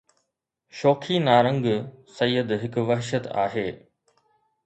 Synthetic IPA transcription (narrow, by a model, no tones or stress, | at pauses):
ʃoːkʰinaːɾə̃ŋɡsɐjəd̪ɦɪkʊ̆ʋɐɦʃət̪a̰ːɦeː